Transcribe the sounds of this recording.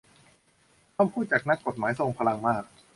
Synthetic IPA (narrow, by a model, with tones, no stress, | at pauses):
ɔː˥˨mpʰuː˥˩t̪̚t͡ɕaː˨˩k̚na˦˥kːo˨˩t̪̚maː˩˦jso˧ŋpʰa˧la˧ŋmaː˥˩k̚